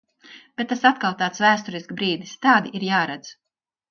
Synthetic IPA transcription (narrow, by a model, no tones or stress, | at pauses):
b̥et̪̚ːasat̪kalˠt̪aːt̪svæːst̪uɾiskbɾiːd̪ist̪aːd̪iʔiɾjaːɾad̪z